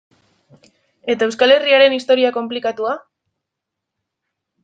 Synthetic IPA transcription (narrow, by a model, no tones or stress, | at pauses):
e̞t̪ae̞wskale̞riaɾe̞nist̪o̞ɾiako̞mplikat̪ua